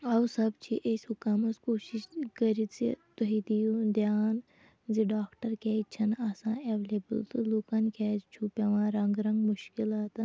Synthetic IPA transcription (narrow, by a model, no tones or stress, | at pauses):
ɐwsɐbt͡ʃʰiʔesʲɦukamɐskoːʃiʃkɐɾit͡sḭt̪ɐɦid̪ijud̪jaːn | ziɖaːkʈɐɾkʲɛːit͡ʃʰɐnaːsãːeʋeleːbəlt̪ɨluːkɐnkɛːt͡ʃʰupʲɐʋãːɾɐŋɡɾɐ̃ŋɡmuʃkilaːt̪